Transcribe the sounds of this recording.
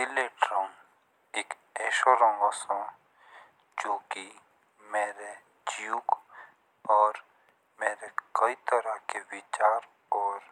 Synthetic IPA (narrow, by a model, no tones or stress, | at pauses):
sɪleʈɾɔ̃ŋ | eːk | ɛːʃoɾɔ̃ŋɡasõ | d͡ʒoːki | meːɾe | d͡ʒijuk | ɔːɾ | meːɾekəit̪əɾakewɪt͡ʃaːɾ | ɔːɾ